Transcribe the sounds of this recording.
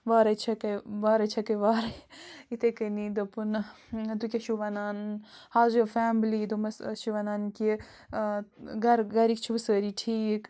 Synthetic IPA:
ʋaːɾɐt͡ʃʰɐkɐʋaːɾɐt͡ʃʰɐkɐʋaːɾɐit̪ekɐnid̪ɐpɨn | d̪ukʲɐʃuʋɐnaːnhaːzuɐfaːmlid̪umɐsʃiʋɐnaːnki | ɡɐɾɡɐɾikt͡ʃʰibɐsəːɾiʈʰiːk

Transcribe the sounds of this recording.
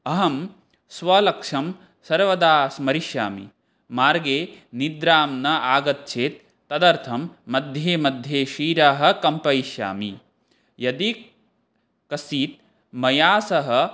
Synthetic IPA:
ɐɦɐm | sʋɐlɐkʂɐm | sɐɾʋɐd̪aːsmɐɾiʃja̰ːmḭ | maːɾɡeːnid̪ɾaːmnɐʔaːɡɐt̪̚t͡ʃʰeːt̪ː | ɐd̪ɐɾt̪ʰɐmːɐd̪ʱjeːmɐd̪ʱjeːʃiːɾaːɦɐ̆kɐmpɐiʃja̰ːmi | jɐd̪i | kɐsiːt̪̚ | mɐjaːsɐɦɐ̆

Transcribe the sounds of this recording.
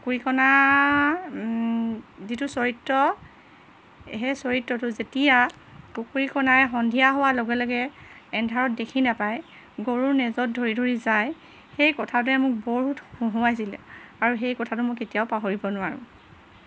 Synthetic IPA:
kuɹikɔna | zitʊsoɹitːɔ | ɦɛsoɹitːɔtʊzetija | kukuɹikɔnajɛxɔndʱijaɦɔwaloɡɛlɔɡɛɛndʱaɹɔt̚dekʰinapaj | ɡoɹunɛzɔt̚dʱoɹidʱoɹizaj | xejkɔtʰat̬ʊɛmʊk̚boɦuthũɦʊajs̬ilɛ̰aɹuxejkɔtʰatʊmɔjketijaʊpaɦoɹibɔnʊwaɹʊ̰̃

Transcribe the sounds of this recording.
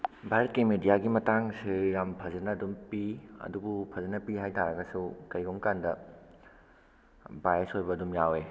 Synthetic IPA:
bʱaɾɐt̚kimidijaɡimɐtaŋsijampʰɐzɐnɐːdumpiɐ̰dubupʰɐzɐnɐpihajtʰaɾɐɡɐsukɐiɡomkandɐ | bajesojbɐːdumjawe

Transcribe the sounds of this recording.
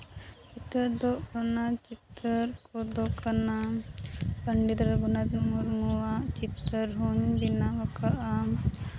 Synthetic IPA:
t͡ʃit̪ɾəɾd̪oʔonat͡ʃit̪ːəɾkod̪okʰana | pəɳɖid̪ɾɡunat̪muɾŋuwat͡ʃit̪ːəɾɦuɲbinaʋɐkaʔa

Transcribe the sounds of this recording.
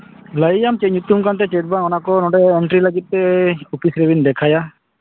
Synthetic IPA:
ləijamt͡ʃeɲut̪umkant̪̬ɛt͡ʃeʈ̚banɔnakɔnɔ̃ɖɛːɳʈɾiləɡit̪̚pɛupisɾebind̪ɛkʰaja

